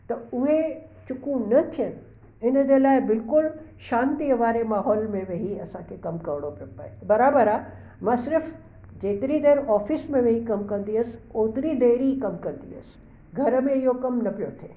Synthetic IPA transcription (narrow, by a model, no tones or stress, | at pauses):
t̪ɐʊɦet͡ʃʊkũnɐt̪ʰijən | ɪnəd͡ʑeːlaːebɪlkʊlʃãːnt̪iəʋaːɾemaːɦɔːlmẽʋeɦiɐsãkʰekɐmkɐɾɽopɐpɐ̰ebɐɾaːbəɾa | mãːsɪɾf | d͡ʑeːt̪ɾid̪eːɾɔːfɪsmẽʋeɦikɐmkɐ̃nd̪iɦəsoːt̪ɾid̪eːɾiikɐmkɐ̃ɾnd̪ḭɦə̰s | ɡʱɐɾmẽɪjokɐmnɐpijot̪ʰeː